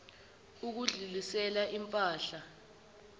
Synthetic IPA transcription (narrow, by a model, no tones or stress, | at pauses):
uk̬uɮulisɛlaʔimpʼaːɬa